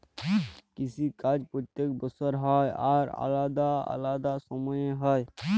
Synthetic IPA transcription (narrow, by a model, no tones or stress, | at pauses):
kisʰikad͡ʒpɾot̪ːek̚bɔsɔɾɦɔjaɾa̰lad̪aa̰lad̪asɔmɔjeɦɔe